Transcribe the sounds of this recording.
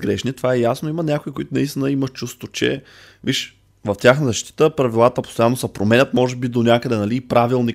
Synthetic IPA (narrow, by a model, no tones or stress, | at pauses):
ɡɾɛʃnit̪ovaɛjasnoimənʲakoikoit̪ʊnɐist̪inəimɐʃt͡ʃust̪vot͡ʃɛ̰ | viʃ | vɐft̪ʲjaxnəzɐʃt̪i̥t̪əpɾɐvilˠat̪əpo̥st̪ojanːosəpɾomɛnʲət̪mɔʒɛbid̪onʲakəd̪ɛnɐlipɾavilˠni